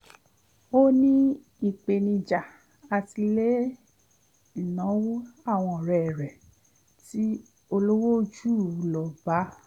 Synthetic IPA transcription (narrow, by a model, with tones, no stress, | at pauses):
o˦nĩ˦ | i˨k͡pe˨nĩ˧d͡ʒa˨ | a˧ti˧le˦ | i˦˨nã˨˦wu˦a˦˨w̃ɔ̃˧˨ɾɛ˨ɾɛ˨ | ti˦ | o˧lo˦wo˦d͡ʒuː˦˨˦lɔ˨ba˨˦